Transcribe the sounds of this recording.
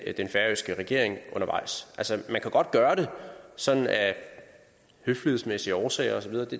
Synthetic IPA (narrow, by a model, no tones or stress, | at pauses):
d̥enfæɐøsɡ̥əʁɛɡ̥e̝ɐ̰e̝ŋʔɔ̽nɐʋɑ̈ɪ̰sʔælsəmænkʰæɡ̥ɒ̽d̥̚ɡ̥ɶːɐɾ̥e̝sɒ̽n̥n̩æ | høflieðˠsmesiəɒːsɛ̰ɪɐɒ̽sɒ̽ʋið̞ˠɐd̥e̝